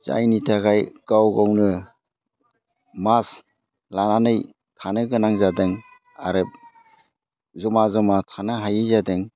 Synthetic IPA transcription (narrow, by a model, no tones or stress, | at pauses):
za̰jnitʰaɡajɡ̥awɡɔwnɯ | mas | lananɯj | tʰanɯɡɯnaŋzadɯŋ | a̰ɾɯp | zɔmazɔmatʰanɯɦajɯzadɯŋ